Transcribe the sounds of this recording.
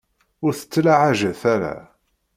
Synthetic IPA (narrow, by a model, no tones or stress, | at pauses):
ʊɾθə̥t͡sːlaʕaʒəθæɾa̰